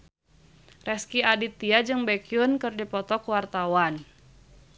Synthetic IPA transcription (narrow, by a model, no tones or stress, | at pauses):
rɛskiadit̪iad͡ʒɨŋbɛkiunkɨrdipɔt̪ɔkuwart̪awan